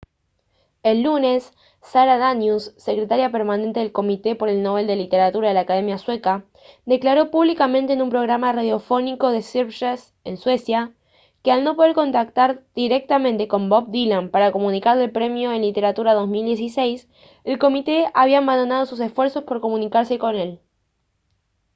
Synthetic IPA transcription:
e̞lːune̞sː | aɾaðanjusːe̞kɾe̞t̪aɾjape̞ɾmanẽnt̪e̞ðelko̞mit̪e̞po̞ɾe̞lno̞β̞e̞ld̪e̞lit̪e̞ɾat̪uɾaðelaːkaðe̞mjaswe̞ka | d̪e̞klaɾo̞puβlikamẽnt̪eːnumpɾo̞ɣɾamaraðjo̞fo̞niko̞ðe̞sipʃes | enswe̞sja | kealno̞p̬o̞ðeɾko̞nt̪ak̚t̪aɾd̪̥iɾe̞k̚t̪amẽnt̪e̞ko̞mbop̚d̪ilampaɾako̞mũnikaɾðelpɾe̞mjo̞enlit̪e̞ɾat̪uɾaðo̞zmild̪je̞sisejs | elko̞mit̪eaβiaːmband̪onað̞o̞susesfwe̞ɾso̞spo̞ɾko̞mũnikaɾse̞ko̞ne̞l

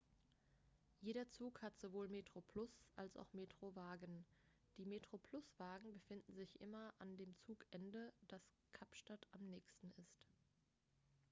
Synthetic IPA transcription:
jeːɾɐt͡suːkhatz̥ovoːlmeːtʁ̥opʰlʊsʔalsa̰ʊxmeːtʁ̥ovaːɡən | d̥iːmeːtʁ̥opʰl̥ʊsv̥aːɡŋ̩bəfɪndn̩zɪçʔɪmɐʔandeːmt͡suːkʔɛndəd̥askʰapʃtatʔamnɛːçstn̩ɪst

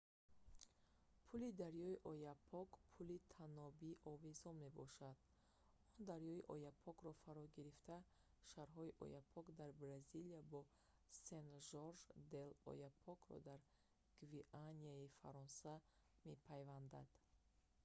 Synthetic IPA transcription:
pʰulid̪aɾjɔiʔɔjapʰɔkpʰulit̪ʰanɔbiʔɔvezɔme̞bɔʃad̪̥ | ɔnd̪aɾjɔiʔɔjapʰɔkɾɔfaɾɔɡiɾift̪a | ʃaɾɦɔiʔɔ̰japʰɔkd̪aɾbɾaziliabɔ | senʒɔɾʒd̪elɔ̰japʰɔkɾɔ̰d̪aɾ | ɡ̥viʔaniaifa̰ɾɔnsa | me̞pʰajvand̪ad̪̥

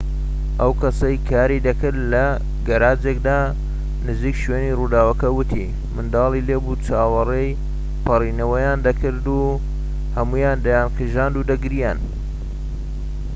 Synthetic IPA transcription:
ʔɐwkʰɐsɐjkʰaːɾid̪ɐkɨɾlɐ | ɡɐɾaːd͡ʒek̚d̪aː | nɨziːkʃɥeːniːrud̪aːwɐkɐwʊt̪ʰḭ | mɨnd̪ɑːlileːbut͡ʃʰaːwɐrej | pʰɐriːnɐwɐjaːnd̪ɐkʰɨɾd̪u | hɐmuːjaːnd̪ɐjaːnkʰɨʒaːnd̪ud̪ɐɡɾijan

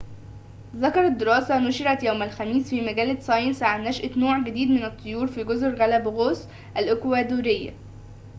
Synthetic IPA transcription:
ðɑkɑɾˤɑd̪ːeɾɑːsænʊʃɪɾæt̪jæwmælxæmiːsfiːmæɡæːlæsˤɑjnsaʕanːæʃʔɪt̪noːʕɡɪd̪iːd̪mɪnæt̪ʰˤːojuːɾfiːɡozɾɣælæbɣoːs | ʔælʔɪkwæːd̪uːɾejːæ̰

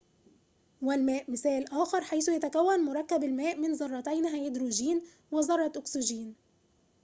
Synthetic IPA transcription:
wɪlmæːʔmɪsæːlʔæːxɑɾˤħajθʊjæt̪ækæwːænmʊɾˤɑkːæbalmæːʔmɪnzˤɑrˤːɑt̪æjnɦæːjʔɪd̪ɾuːʒiːn | wɪzɑrˤːɑʔʊksuʒiːn

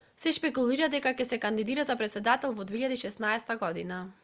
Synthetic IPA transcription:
sɛʃpɛkulˠiɾad̪ɛkakɛsɛkand̪id̪iɾazapɾɛt̪sɛd̪at̪ɛlˠvɔd̪veiʎad̪aiʃɛsnaɛst̪aɡɔd̪ina

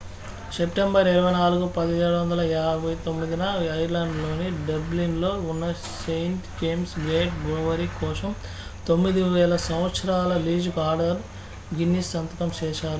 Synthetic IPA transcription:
sepʈembɐɾiɾɐʋɐjnaːluɡupɐd̪ijeːɽuʋɐnd̪ɐlɐaːbʱɐjt̪omːid̪inɐɐjɾlɐɳɖlo̞ːniɖɐblinlo̞ːunːɐ | sejɳʈd͡ʒeːmsɡeːkɡɾoʋɐɾikɔːsɐm | t̪o̞mːid̪iʋɛːlɐsɐw̃ʋɐt̪sɐɾaːlɐliːd͡ʒkaːɾɖɐɾ | ɡinːisːɐnt̪ɐkɐmt͡ʃɛːʃaːɾu

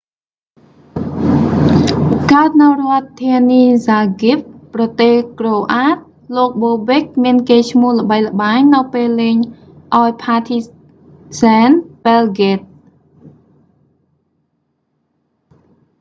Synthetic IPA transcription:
kaət̪̚nɨwrŏət̪ʰːiəniːzaːɡip̚ːrɑt̪eːhkroːʔaːt̪̚ | loːk̚ɓoːbek̚miənkeːt͡ɕʰmŭəhlə̆ɓəjlə̆ɓaːɲnɨwpeːlːeːɲ | ʔaɔjpʰaːt̪ʰi | saːnpelɡet̪̚

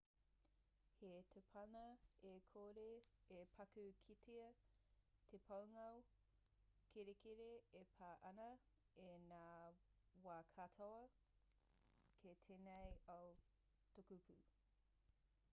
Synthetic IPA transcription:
hetʰepʰɐnɐekʰoːɾeepʰɐkʉkʰitʰeɐ | tʰepʰɐwŋɐw | kʰeɾekʰeɾeepʰaːʔɐnɐ | enaːwaːkʰatʰoɐ | kʰetʰeːnejɐw | tokupʰʉ

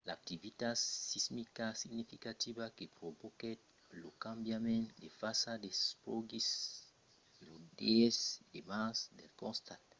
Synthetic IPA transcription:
laak̚t̪ivit̪asismikasiɡnifikat̪ibakepɾoboket̪ | lokãmbjamẽntdefasadespoɡis | lodeesdemãsd̪elkõnst̪ãt

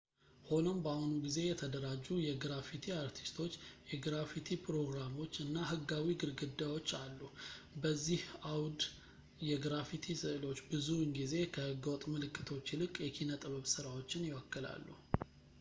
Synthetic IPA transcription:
ho̞nombahunuɡize̞jɛt̪ʰəd̪əɾad͡ʒːujɛɡɾafit̪ʰiaɾt̪ʰi̥st̪ʰo̞t͡ʃːjɛɡɾafit̪ʰipʰɾo̞ɡɾamo̞t͡ʃːɨnːaɦɨɡːawiɡɨɾɡɨd̪ːajwo̞t͡ʃːalːubəzːihawd̪ | jɛɡɾafit̪ʰisɨʔlo̞t͡ʃːbɨzuɨŋɡize̞kʰəhɨɡːwɔt̪ʼmɨlɨkʰʼːɨt̪ʰo̞t͡ʃːilɨkʼːjɛkʰinət̪ʼɨβəβsɨɾawo̞t͡ʃːɪnjɪwɔkːɨla̰lːṵ

